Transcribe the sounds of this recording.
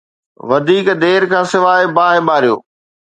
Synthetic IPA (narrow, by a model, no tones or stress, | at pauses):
ʋɐd̪ʱiːkd̪eːɾkʰãːsɪʋaːɪbaːɦɪɓaːɾijo̰ː